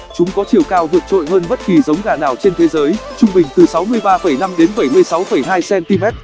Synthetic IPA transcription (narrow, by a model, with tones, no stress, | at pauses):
t͡ɕʊ˨˦ŋ͡mkɔ˨˦t͡ɕi˨˩əwkaː˧wvɨ̰˧˨ət͡ɕo̰˧˨jhɦəː˧nɓə˦˥t̚ki˨˩zə˨˦wŋ͡mɣaː˧˩naː˧˩wt͡ɕe˧nt̪ʰe˨˦zəː˨˦jt͡ɕʊ˧ŋ͡mɓï˨˩ŋ̟t̪ɨ˨˩sa˨˦wmɨ˧əjɓaː˧fə˧˩jna˧mɗe˨˦nɓə˧˩jmɨ˧əjsa˨˦wfə˧˩jɦaː˧jsɛ˧nt̪i˧mɛ˦˥t̚